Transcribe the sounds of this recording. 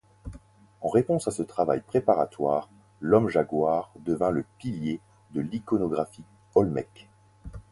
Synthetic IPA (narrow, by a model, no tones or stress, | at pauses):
ɑ̃ʁepɔ̃sasət̪χava̰jpχepaʁat̪waːʁ | lɔmʒaɡwaʁd̪əvɛ̃ləpilje | d̪əlikɔnɔɡʁafi | ɔlmɛ̰k